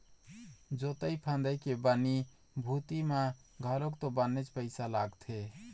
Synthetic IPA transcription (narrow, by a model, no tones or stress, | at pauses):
d͡ʒot̪əjpʰə̃nd̪əjkebəni | bʱut̪imã | ɡʱəlokt̪obənːet͡ʃpəɪsalaɡt̪ʰe